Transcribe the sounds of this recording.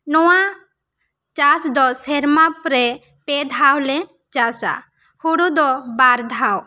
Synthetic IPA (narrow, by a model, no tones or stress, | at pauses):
nɔwa | t͡ʃasd̪ɔsɛɾmapɾɛ | pɛd̪ʱawlɛ | t͡ʃasa̰ | huɽud̪ɔbaɾd̪ʱaw